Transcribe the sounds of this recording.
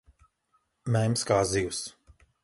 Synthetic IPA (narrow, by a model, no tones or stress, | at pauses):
mɛjmskaːzijus